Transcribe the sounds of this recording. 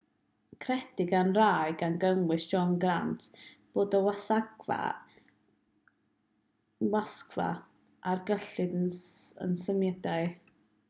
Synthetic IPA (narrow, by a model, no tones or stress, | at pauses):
kʰrɛd̥ɪɡanraɨɡanɡəŋwɨsd̥d͡ʒɔnɡrantʰb̥oːdɔwasaɡva̰ | waskʰva̰ | ʔarɡəɬɨdəə̰nsəmjɛdaɨ